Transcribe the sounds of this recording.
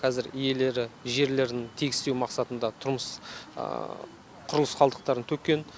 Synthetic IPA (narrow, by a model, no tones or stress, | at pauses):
qʰɑzɪɾije̞le̞ɾɪʒe̞ɾle̞ɾd̪ɪŋt̪ʰeɡʲɪst̪ewmɑqsɑt̪ənd̪ɑt̪ʰʊɾməs | qʰʊɾəlˠəsqʰɑlˠd̪əq̚t̪ɑɾənt̪ʰɵk̚kʲːe̞n